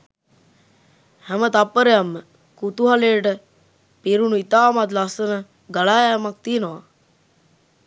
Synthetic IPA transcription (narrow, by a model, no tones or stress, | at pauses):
hæmət̪apːəɾejamːə | kut̪uɦaleːʈə | piɾunuit̪aːmat̪̬lasənə | ɡaɭaːjamak̚t̪iənəʋa